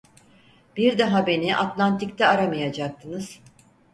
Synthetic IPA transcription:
b̥iɾd̪aɦabe̞niʔat̪lʲˠant̪ik̚t̪ʰɛaɾamajad͡ʒak̚t̪ʰɯnɯz̥

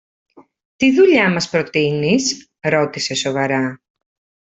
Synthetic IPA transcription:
t̪iðuʎamɐspɾot̪inis | ɾot̪ise̞soβɐɾa

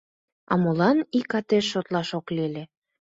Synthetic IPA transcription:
ɑ̰molɑnikɑt̪eʃːot̪lɑʃoklele

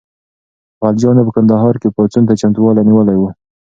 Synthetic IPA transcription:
ald͡ʒɑnap̬əkand̪aɦɑɾkepɑt͡sunt̪at͡ʃamt̪uwɑlaniwəlajwu

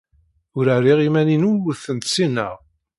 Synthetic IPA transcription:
ʊɾarːiʁimæninuwəθənt̪sinə̰ʁ

